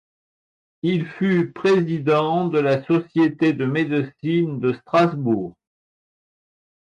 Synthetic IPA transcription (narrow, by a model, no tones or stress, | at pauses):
ilfypχezid̪ɑ̃d̪əlasɔsjet̪ed̪əmed̪əsind̪əst̪χazbuːʁ